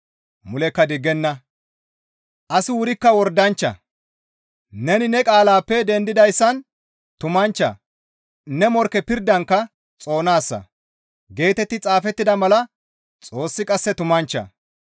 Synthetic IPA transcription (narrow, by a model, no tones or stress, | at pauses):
mʊlɛkːɐd̪ɪɡɛnːɐ | ʔɐsɪwʊɾɪkːɐwɔɾd̪ɐnt͡ʃːɐ̰ | nɛnɪnɛkʼaːlaːpːɛd̪ɛnd̪ɪd̪ɐjsːɐn | t̪ʊmɐnt͡ʃːɐ̰ | nɛmɔɾkɛpɪɾd̪ːɐŋkːɐ | t͡sʼo̞ːnaːsːɐ̰ | ɡe̞ːt̪ɛt̪ːɪt͡sʼaːfɛt̪ːɪd̪ɐmɐlɐ | t͡sʼo̞ːsːɪkʼɐsːɛt̪ʊmɐnt͡ʃːɐ̰